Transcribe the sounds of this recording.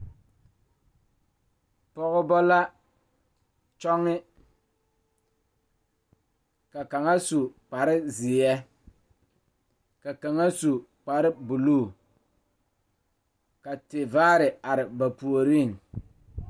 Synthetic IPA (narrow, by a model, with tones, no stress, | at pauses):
pɔ˦ɣʊ˦bɔ˦la˦ | t͡ʃɔ˦ŋːɪ˦ | ka˨ka˨ŋa˦su˨k͡pa˨ɾɪ˦zɪ˨ɛ˦ | ka˨ka˨ŋa˦su˨k͡pa˨ɾɪ˦bu˨luː˦˨ | ka˨tɪ˨vaː˦ɾɪ˨a˨ɾɪ˨ba˨pu˨o˨ɾi˦˨ŋ